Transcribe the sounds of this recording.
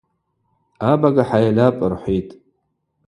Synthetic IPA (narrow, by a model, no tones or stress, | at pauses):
abaɡaħajlapʼɨrħʷitʼ